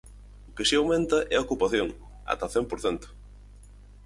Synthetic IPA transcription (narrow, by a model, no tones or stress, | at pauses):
ʊkɪsiawmẽnt̪ɐʔɛɐokupaθjoŋ | a̰t̪ɐθɛmpoɾθɛnt̪ʊ̥